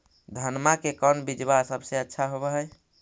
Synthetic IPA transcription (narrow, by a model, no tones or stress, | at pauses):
d̪ʱənmakekənbid͡ʒbasəbseətːʃʰaɦobɛɦəj